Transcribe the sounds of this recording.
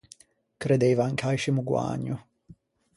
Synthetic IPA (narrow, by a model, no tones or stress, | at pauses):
kɾed̪ejvaŋkʰajʃɪmuɡwa̰ːɲːʊ